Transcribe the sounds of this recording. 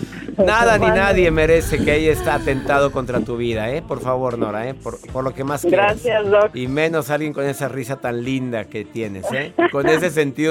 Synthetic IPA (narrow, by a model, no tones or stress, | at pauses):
naðanĩnaðje̞me̞ɾe̞se̞keeʝaest̪aːt̪e̞nt̪að̞o̞ko̞nt̪ɾat̪uβ̞iðae̞po̞ɾfaβo̞ɾno̞ɾae̞poɾpo̞ɾlo̞ke̞masɡɾasjasdoimẽ̞no̞salɣjeŋko̞ne̞sarisat̪anlind̪ake̞t̪je̞ne̞se̞ko̞ne̞s̬e̞s̬e̞nt̪iðo